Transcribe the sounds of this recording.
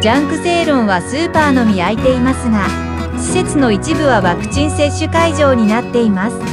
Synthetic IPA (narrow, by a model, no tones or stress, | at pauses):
d͡ʑãŋkɯ̟se̞ːɾõ̞ɰ̃βasɨːpaːno̞mʲiait̪e̞imasɨɡa | ɕi̥se̞t͡sɨno̞it͡ɕibɯ̟βaβakɯ̟̥t͡ɕĩɰ̃se̞ɕːɨkaiʑo̞ːɲ̟inat̪ːe̞imasɨ̥